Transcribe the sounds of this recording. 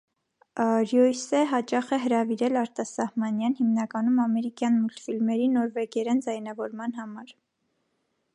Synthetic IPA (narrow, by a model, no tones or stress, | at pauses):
ɾjɔjsɛɦɑt͡ʃɑχɛɦəɾɑviɾɛlɑɾt̪ɑsɑhmɑnjɑnhimnɑkɑnumɑmɛɾikjɑnmult̪filmɛɾinɔɾvɛkɛɾɛnd͡zɑjnɑvɔɾmɑnɦɑmɑɾ